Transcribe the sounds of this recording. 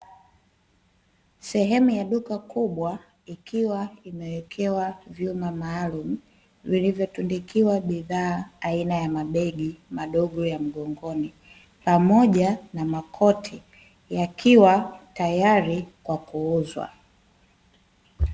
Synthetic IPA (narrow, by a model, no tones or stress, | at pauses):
sɛɦɛmujaɗukakuɓwa | ikiwaimɛwɛkʰɛwavjumamaːlum̩ | vilivjɔtundikiwaɓiðaːainajamaɓɛɡimaɗɔɠɔjam̩ɠɔŋɡɔni | pamɔʄanamakʰɔtʰi | jakʰiwatajaɾikwakuuzwa̰